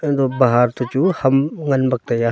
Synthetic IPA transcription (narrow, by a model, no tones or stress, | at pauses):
d̪obaɦaːɾt̪ut͡ʃuhɐmŋɐnbɐk̚t̪ɐja